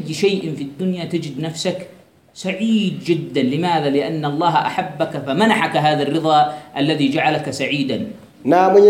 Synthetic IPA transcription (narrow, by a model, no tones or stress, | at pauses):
jːʃajʔɪfid̪ːʊnjat̪ɪd͡ʒɪd̪nafsak | saʕiːd̪̚d͡ʒɪd̪ːanlɪmaːðalɪʔanːʔɑlˤːɑːɦʔa̰ħabːakafamanaħakɦaːðarːɨðˤɑːʔalːaðiːd͡ʒaʕalakasaʕiːd̪an | naːmʊ